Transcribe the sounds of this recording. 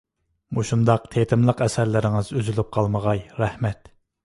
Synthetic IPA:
muʃund̪ɑq̚t̪ʰet̪ʰɪmlˠəqɛsɛɾlɪɾɪŋɨzøzylyp̚qʰɑlˠməʁɑjɾɛhmɛt̪

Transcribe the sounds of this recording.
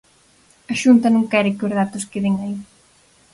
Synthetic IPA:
ɐʃunt̪ɐnõŋkɛɾɪkɪozðat̪ʊskeðeŋai

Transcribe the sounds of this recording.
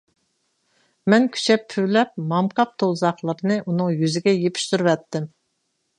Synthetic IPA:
mɛnkʲʰy̥t͡ʃʰɛpʰːywlɛp̚mɑmqʰɑp̚t̪ʰolˠzɑχlˠəɾɨnɨʔunɨŋjyzɪɡʲɛjepʰi̥ʃsyɾwɛt̪ːɪm

